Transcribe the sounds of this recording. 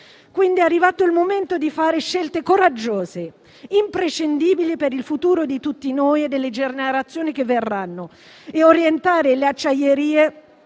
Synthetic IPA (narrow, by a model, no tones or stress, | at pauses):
kwind̪iɛarːivaːt̪oilmoment̪od̪ifaːɾeʃɛlt̪ekoɾad͡ʒːoːze | impɾeʃend̪iːbilipeɾilfut̪uːɾod̪it̪ut̪ːinojed̪ːelːed͡ʒeneɾat̪sːjoːnikevːerːanːo | eoɾjent̪aːɾeleat͡ʃːajeɾiːe